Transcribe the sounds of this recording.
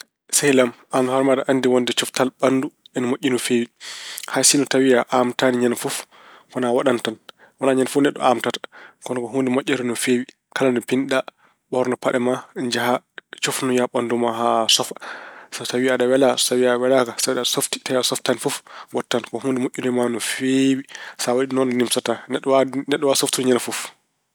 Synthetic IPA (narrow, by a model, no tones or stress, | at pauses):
sajlam | amhɔɾmaɗaʔanːdiwɔndɛt͡ʃɔftalɓanduɛnmoʔʲːinɔfewihasinɔtawiaʔamtaniɲanfuf | kɔnawaɗantan | wɔnaɲanfunɛɗːɔ̰ʔamtatḁkɔnɔkɔɦundɛmoʔʲːɛɾɔnɔfewi | kalandɛpinɗa | ɓɔɾnɔpaɗɛmad͡ʒaha | t͡ʃofnɔjaɓandumaɦasɔfasatawiaɗawɛlasawiawɛlakasabiɗaɗasofti̥tawiasɔftanifufwɔtːankɔhundɛmoʔʲːunɔmanufewisawaɗinɔndɔnimsatanɛɗnɛɗːɔwasoftinɲanfuf